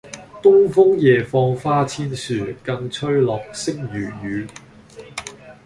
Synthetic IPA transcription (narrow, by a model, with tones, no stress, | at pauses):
t̪ʊ˥ŋfʊ˥ŋjɛː˨fɔː˧ŋfaː˥t͡sʰiː˥nsyː˨kɐ˧ŋt͡sʰɵ˥ɥlɔː˨k̚sɪ˥ŋjyː˨˩jyː˨˧